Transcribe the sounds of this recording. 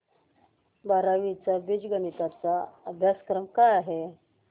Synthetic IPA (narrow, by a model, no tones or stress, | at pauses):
baɾaʋit͡sabid͡ʑɡənit̪at͡saəbʱjaskɾəmkajaɦe